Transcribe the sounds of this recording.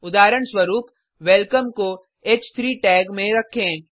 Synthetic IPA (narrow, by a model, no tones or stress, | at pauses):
ʊd̪aːɾəɳ̃swɐɾuːp | ʋɛlkəmko | eːt͡ʃt̪ʰɾiːʈɛːɡmẽɾɐkʰẽː